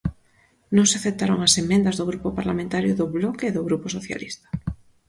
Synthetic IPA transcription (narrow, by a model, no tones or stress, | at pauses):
nõŋseaθep̚t̪aɾoŋasemẽnd̪ɐzðoɣɾupopaɾlamẽnt̪aɾjʊðʊβlɔkeeðʊɣɾuposoθja̰list̪ɐ̥